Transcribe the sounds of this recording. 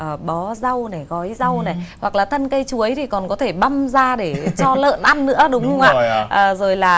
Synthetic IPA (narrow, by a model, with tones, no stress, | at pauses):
ʔəː˨˩ɓɔ˨˦za˧wna˨˩jɣɔ˨˦jza˧wna˨˩wa˨˩k̚laː˨˩t̪ʰə˧nkə˧jt͡ɕu˨˦əjt̪ʰi˨˩kɔ˨˩nkɔ˨˦t̪ʰe˧˩ɓa˧mzaː˧ɗe˧˩t͡ɕɔ˧lə̰ː˧˨nʔa˧nːɨ̰˧˥əɗʊ˨˦wŋ͡mhə˧wŋ͡mʔa̰ː˧˨ʔəː˨˩zo˨˩jlaː˨˩